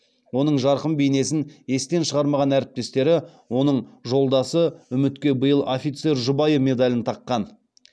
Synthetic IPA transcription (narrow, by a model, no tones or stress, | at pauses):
wo̞nəɴʒɑɾqəmbejne̞sɪne̞st̪e̞nʃəʁɑɾmɑʁɑnæɾɪp̚t̪e̞st̪e̞ɾɪwo̞nəɴʒo̞lˠd̪ɑsəʏmɪt̪kʲe̞bəjəlˠofʲit̪se̞ɾʒʊbɑjəme̞d̪ɑlʲɪnt̪ʰɑqːɑn